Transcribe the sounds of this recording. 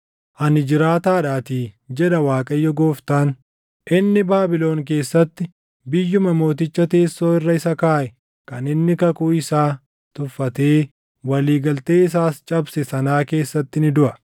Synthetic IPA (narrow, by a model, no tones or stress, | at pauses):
ʔɐnɪd͡ʒɪɾaːt̪aːᶑaːt̪iːd͡ʒɛᶑɐwaːkʼɐjːɔɡoːft̪aːn | ʔɪnːɪbaːbɪlo̞ːŋk̬e̞ːsːɐt̪ːɪ | bɪjːʊmɐmo̞ːt̪̬ɪt͡ʃːɐt̪eːsːo̞ːɪrːɐɪsɐkaːʔɛ | kɐnɪnːɪkɐkuːɪsaː | t̪ʊfːɐt̪e̞ː | wɐliːɡɐlt̪e̞ːɪs̬aːst͡ʃʼɐbsɛsɐnaːke̞ːsːɐt̪ːɪnɪd̪ʊʔɐ